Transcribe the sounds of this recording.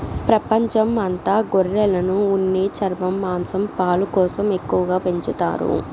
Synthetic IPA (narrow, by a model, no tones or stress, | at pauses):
pɾɐpɐɲt͡ʃɐmɐnt̪aːɡɔɾːɛlɐnuːnːeːt͡ʃɐɾmɐmːaːmsɐmpaːlukɔːsɐme̞kːuʋɐɡaːpe̞ɲt͡ʃut̪a̰ːɾṵ